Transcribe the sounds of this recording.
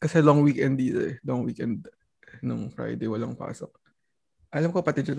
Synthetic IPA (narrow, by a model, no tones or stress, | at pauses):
kɐsɛlɔŋwikɛnd̪it̪oʔɛlɔŋwiːkɛnd̪̚ | nʊŋfɹa̰jd̪ejwɐlaŋpa̰ːsok̚ | ʔɐlɐmkopɐt̪ɛd͡ʒɐn